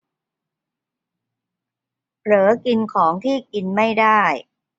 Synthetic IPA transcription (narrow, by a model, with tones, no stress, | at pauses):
ɾɤː˩˦ki˧nkʰɔː˩˦ŋt̪ʰiː˥˩ki˧nma˥˩jdaː˥˩j